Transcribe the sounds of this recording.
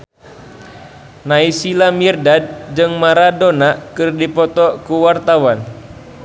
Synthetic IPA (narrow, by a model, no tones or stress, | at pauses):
naisilamirdad̚d͡ʒɨŋmaɾadonakɨrdipɔt̪ɔkuwart̪awan